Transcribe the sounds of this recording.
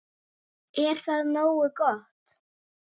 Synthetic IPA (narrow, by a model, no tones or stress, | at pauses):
ɛɾ̥θaðnoːwʏkɔht̪